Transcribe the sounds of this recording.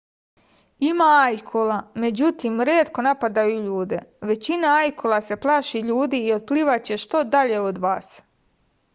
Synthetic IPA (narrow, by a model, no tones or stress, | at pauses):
imaajkʰolame̞d͡ʑut̪iːmɾeːt̪ko̞napad̪ajuʎuːd̪e̞̰ʋe̞t͡ɕinaajkʰolˠase̞plˠaʃiʎuːd̪iːot̪̚pliːʋat͡ɕe̞ʃt̪o̞d̪aʎeod̪ʋaːs